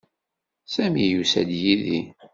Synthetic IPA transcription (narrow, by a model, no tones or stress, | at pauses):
sæmijusæ̰d̪jiði